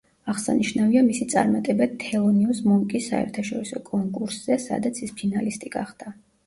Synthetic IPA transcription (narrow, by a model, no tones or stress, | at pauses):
aʁsa̰niʃnaviamisit̪sʼa̰ɾmat̪ʼɛbat̪ʰɛɔniusmɔŋkʼisːa̰ɛ̰ɾt̪ʰaʃɔɾisɔkʼɔŋkʼuɾsz̥ɛsa̰d̪at̪sʰispʰinalist̪ʼiɡa̰χd̪̥a